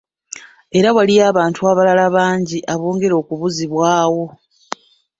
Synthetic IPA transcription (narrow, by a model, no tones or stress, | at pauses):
e̞ɾawaliaːβaːntuaβalalaβaːɲɟiʔaβoːŋɡe̞ɾo̞ːkuβuziβwaːwo̞